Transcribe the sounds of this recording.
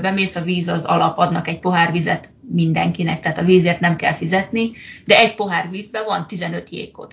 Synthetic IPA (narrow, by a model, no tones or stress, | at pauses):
bɛmeːsɒviːzɒzɒ̰lɒpɒd̪nɒkɛɟ̚po̞ɦaːrʋizɛt̪mind̪ɛŋkinɛk̚t̪ɛɦaːt̪ɒviːzeːrt̪nɛmkɛ̰lfizɛt̪nid̪ɛɛɟ̚po̞ɦaːrʋiːzbɛvɒnt̪izɛnø̞t̪jḛːko̞̰t̪